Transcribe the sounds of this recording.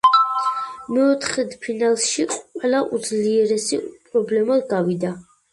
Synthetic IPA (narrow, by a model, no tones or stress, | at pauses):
mɛɔt̪ʰχɛd̪pʰinalˠsʃiqʼwɛlaʔud̪zliɛɾɛsipʼɾɔblɛmaɡavid̪a